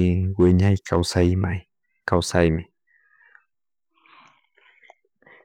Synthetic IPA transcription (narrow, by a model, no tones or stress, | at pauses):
wɪɲajkʰawsajmaj | kawsajmɪ